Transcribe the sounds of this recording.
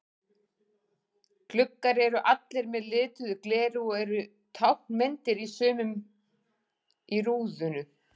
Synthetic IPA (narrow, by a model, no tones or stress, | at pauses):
klʏkːaɾɛɾʏʔat̪lɛɾmɛðlɪːt̪ʏðʏklɛːɾɪɔɣɛɾʏ | t̪ʰawhmɛnt̪ɪɾisœːmʏm | iɾuːðʏnʏ